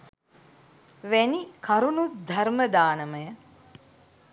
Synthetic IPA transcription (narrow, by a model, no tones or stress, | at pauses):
ʋænikaɾunut̪̚d̪ʱɐɾməd̪aːnəməjə